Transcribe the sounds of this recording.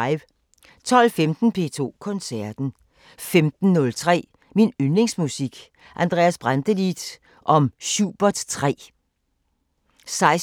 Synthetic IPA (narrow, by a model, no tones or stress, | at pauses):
ɪʋ | t͡sʰɒ̽lfemd̥n̩pʰe̝̰ːt͡sʰo̝̰ːkʰɔ̽nsæɐd̥n̩ | femd̥n̩ːɔ̽lt͡sʰʁɛ̰ː | minynleŋsmusiɡ̥ | ʔænd̥ʁɛ̰ːæsb̥ʁand̥əlid̥ | ʔɒ̽mɕuːb̥ɐd̥t͡sʰʁɛ̰ː | sɑ̈ɪs